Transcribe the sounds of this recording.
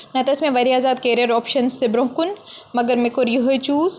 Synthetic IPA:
nɐt̪ɐsmẽʋɐɾiaːzaːd̪̚keːɾiɐɾɔːpʃɐnst̪ebɾõːɦkʊnmɐɡɐɾmekoɾjuɦojt͡ʃuːz

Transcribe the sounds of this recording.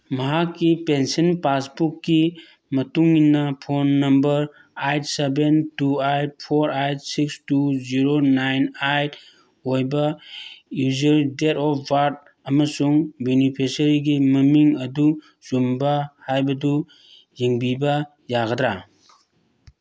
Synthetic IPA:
mɐɦakːipensinpasbukːi | mɐtuŋːinːɐpʰonːɐmbɐɾ | ajt̚sebentuajt̚pʰoɾajt̚sikstuziɾonajnajt | ojbɐjuzɐɾidetɔpʰbaɾd̚ | ɐmɐsuŋbunipʰisɐɾiɡimɐmiŋɐdu | z̥umbɐhajbɐdu | jiŋbibɐ | jaɡɐdɾa

